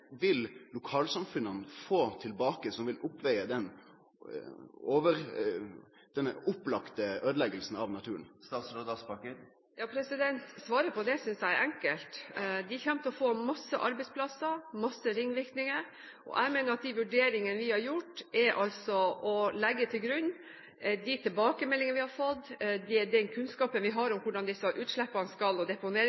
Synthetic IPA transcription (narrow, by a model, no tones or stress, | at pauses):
ʋɪllʊkʰɑːlsɑmfʉnənəfoːt̪ʰɪlbɑːkəsɔmʋɪlʊpːʋɛɪəd̪ɛn | oːʋəɾ | d̪̥ɛnːʊpːlɑkt̪əʔøːd̪əlɛɡəlsn̩ɑʋnɑt̪ʰʉːɾənst̪ɑːt̪slod̪ɑspɑkə | jɑːpʰɾɛsɪd̪ɛnt̪sʋɑːɾəpʰɔd̪ɛsʏnsæɪʔɛŋkəlt̪d̪ɪçɛmt̪əɔfoːmɑsːəʔɑ̰ɾbɛɪtspʰlɑsəɾmɑsːəɾɪŋːʋɪɾkt̪nɪŋəɾ | ʔɔ̰ʔæ̰ɪmeːnəɾɑt̪̚d̪iʋʉɖeːɾɪŋənəʋɪhɑɾjʊʈːɛɾʔɑlsɔɔlɛɡːət̪ʰɪlɡɾʉnː | d̪ɪt̪ʰɪlbɑːkəmɛlːɪŋəʋɪhɑɾfɔt̪ːd̪ɪd̪ɛnkʰʉnskɑːpənʋɪɦɑɾɔmkʰʊɖɑnd̪ɪsːəʔʉːt̪ʂlɛpːɑnskɑlɔd̪ɛpʊneːɾ